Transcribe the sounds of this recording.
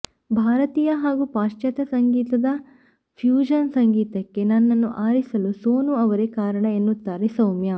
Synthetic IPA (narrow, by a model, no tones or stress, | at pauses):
bʱaːɾɐt̪iːjɐɦaːɡupaːʃt͡ʃjɐt̪ɐsɐŋɡiːt̪ɐd̪ɐ | pʰjuːd͡ʒɐnsɐŋɡiːt̪ɐkːe̞nɐnːɐnːuʔaːɾisɐlusoːnuɐʋɐɾekaːɾɐɳɐenːut̪ːaːɾesɐwmja